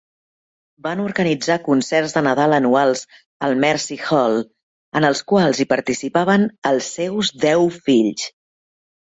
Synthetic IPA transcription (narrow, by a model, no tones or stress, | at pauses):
banuɾɣənid͡zakunsɛrzðənəð̞alˠənualˠz | əlˠmɛɾsixɔl | ənəlˠskwalˠzipəɾt̪isipaβənəlˠsːɛwzd̪ɛwfiʎs